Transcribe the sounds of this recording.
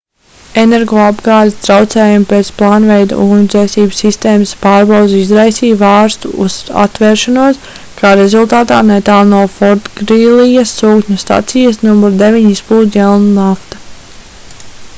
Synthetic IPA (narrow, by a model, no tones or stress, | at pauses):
enɛɾɡɔːabɡɑːlʲist̪ɾawt̪sɛːjumpeːt̪splˠɑːnvɛjd̪̰uːnud̪zɛːsiːbsːist̪eːməspaːɾbɑwd̪zizɾajsiːʋɑːɾst̪uuza̰t̪vɛːɾʃanuɔs | kaːɾezulˠt̪aːt̪aːnɛt̪aːlˠnuɔfɔɾt̪ɡɾilˠijɐsːuːkɲʲust̪a̰t̪sijɐsnumuɾd̪evʲiɲispuːd̪jɛlˠnunaft̪ḁ